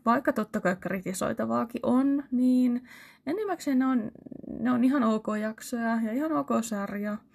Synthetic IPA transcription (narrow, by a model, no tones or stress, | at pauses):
ʋɑikːɑt̪ot̪ːɑkɑikrit̪iso̰it̪ɑʋɑːkiʔonniːnenːemːækseːneonneoniɦɑnokoːjɑksojɑjɑihɑnokosɑrjɑ